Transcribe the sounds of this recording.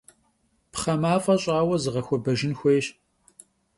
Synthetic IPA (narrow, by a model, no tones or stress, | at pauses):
pχɐmaːfʼɐɕʼaːwɐzɨʁɐxʷɔbɐʒɪnxʷeːɕ